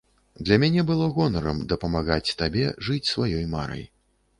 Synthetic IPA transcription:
d̪lʲɐmʲanʲɛbɨlˠɔɣɔnɐɾɐmd̪ɐpɐmaɣat͡sʲt̪abʲɛ̰ʐɨt͡sʲsvajɔjma̰ɾɐ̰j

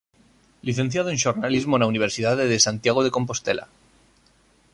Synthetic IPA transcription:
liθe̞nθjaðoenʃoɾnalizmonauniβ̞e̞ɾsiðaðeðesant̪jaɣ̞oð̞eko̞mp̬o̞st̪ḛlʔa̰

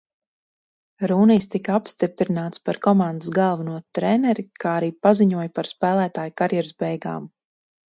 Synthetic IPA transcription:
ɾuːnijst̪ikapst̪ipɾinaːt̪spaɾkɔmãnd̪ɨsɡalˠvunuɔt̪ɾɛnɛɾikʰaːaɾiːpaziɲuɔjpaɾspæːlˠæːt̪aːjkaɾjɛɾzbɛjɡa̰ːm

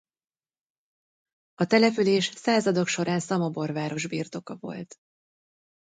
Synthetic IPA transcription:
ɒt̪ɛlɛpyleːʃsaːzɒd̪o̞kʃo̞ɾaːnsɒmɒbo̞rvaːɾo̞ʒbiːrt̪o̞kɒvo̞̰lt̪

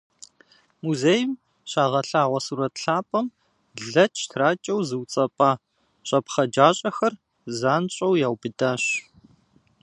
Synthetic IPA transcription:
muzejɪm | ɕaːʁɐɬaːʁʷɐsuːɾɐtɬaːpʼɐm | ɮɐt͡ʃʰtʰraːt͡ʃʼɐwzɨwt͡sʼɐpʼaː | ɕʼɐpχɐd͡ʒaːɕʼɐxɐr | zaːnɕʼɐwjaːwbɨdaːɕ

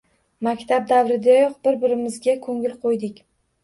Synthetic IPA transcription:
makʲt̪ʰab̚d̪avɾɪd̪ajɒq̚bɪɾbɪɾɪmɪzɡʲakʰɵŋɪlˠqʰojd̪ɪkʲ

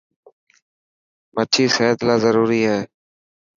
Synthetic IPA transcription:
məʈʰiːseːət̪laːzəɾuːɾiːɦɛː

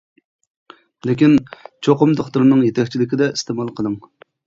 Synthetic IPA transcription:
lɪkʲint͡ʃʰoqʊmd̪oχt̪uɾnɨŋjet̪ʰɛkʲt͡ʃʰilɪkʲid̪ɛist̪emɑlˠqʰəd̪ɨŋ

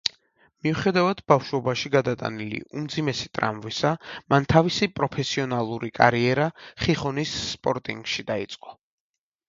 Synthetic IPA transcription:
miuχɛd̪avad̪̥bafʃwɔbaʃiɡad̪at̪ʼa̰nilḭʔumd̪zimɛsi̥t̪ʼɾa̰mvisamant̪ʰavisipʼɾɔpʰɛsiɔnalˠuɾikʼa̰ɾiɛɾaχiχɔnisːpʼɔɾt̪ʼiŋɡʃid̪ait̪sʼqʼɔ

